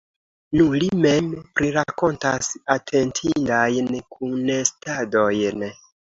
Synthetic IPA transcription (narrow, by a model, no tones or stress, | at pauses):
nulimempɾiɾako̞ntasatʰe̞ntʰindajnkʰunːestadojn